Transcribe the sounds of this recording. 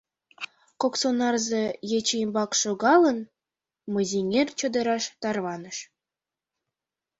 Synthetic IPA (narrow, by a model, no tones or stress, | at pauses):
koksonɑrzejet͡ɕeimbɑkʃoɣɑlə̆n | mɤ̆zʲiŋʲerʲt͡ɕŏd̪ɤ̆ɾɑʃt̪ɑrβɑnə̆ʃ